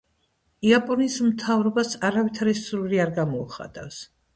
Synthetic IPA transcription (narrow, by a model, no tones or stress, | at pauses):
iapʼɔnismt̪ʰavɾɔbasaɾavit̪ʰaɾɛsɾuliaɾɡamɔuχa̰t̪ʼafs